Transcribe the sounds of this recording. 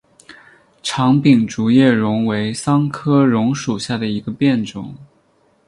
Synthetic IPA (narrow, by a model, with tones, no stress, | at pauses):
ʈ͡ʂʰɑ˧˥ŋpi˨˩ŋʈ͡ʂu˧˥jɛ˥˩ɻʊ˧˥ŋwe˧˥ɪsɑ˥ŋkʰɤ˥ɻʊ˧˥ŋʂu˨˩ɕja˥˩d̪ə˩i˧˥ɡə˧pjɛ˥˩nʈ͡ʂʊ̰˨˩˦ŋ